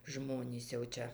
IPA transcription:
ˈʒmoːnʲiːs jɛʊ ˈt͡ʃʲɛ

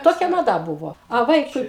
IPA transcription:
ˈtoːkʲɛ mɐˈdɐ ˈbʊʋoː ɐ ˈʋɐɪkʊɪ

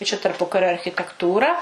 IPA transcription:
ɪ t͡ʃʲɛ tɐrˈpʊkɐrʲoː ɐrʲxʲɪtʲɛkˈtuːrɐ

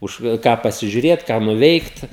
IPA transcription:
ˈʊʃ ˈkɑː pɐsʲɪʒʲʊˈrʲeːt kɑː nʊˈʋʲɛɪkt

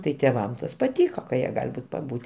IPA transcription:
tɐɪ tʲeːˈʋɐm ˈtɐs pɐˈtʲiːkoː kɐ jiɛ ˈɡɐlʲ ˈbuːtʲ pɐˈbuːtʲ

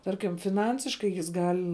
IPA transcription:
ˈtɐrʲkʲɪm fʲɪˈnɐnʲsʲɪʃkɐɪ jɪs ˈɡɐlʲ

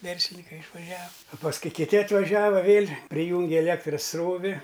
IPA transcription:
ˈʋʲɛrʲsʲlʲɪnʲɪkɐɪ ɪʃʋɐˈʒʲɛw ɐ pɐsˈkʊɪ kʲɪˈtʲɪ ɐtʋɐˈʒʲæːʋɐ ˈʋʲeːlʲ pʲrʲɪˈjuːŋʲɡʲɪ ɛˈlʲeːktrɐs ˈsroːʋʲɪ

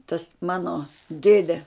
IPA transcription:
tɐs ˈmɑːnoː ˈdʲeːdʲɛ

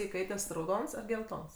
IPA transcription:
ɪˈkɐɪtʲɛs rɐʊˈdoːns ɐr ɡʲɛlˠˈtoːns

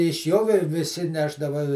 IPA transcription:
ɪʃ ˈjoː ʋʲɪ ʋʲɪˈsʲɪ ˈnʲæːʒdɐʋɐ

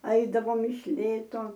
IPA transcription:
ˈɐɪdɐʋoːm ɪʃ ˈlʲeːtoː

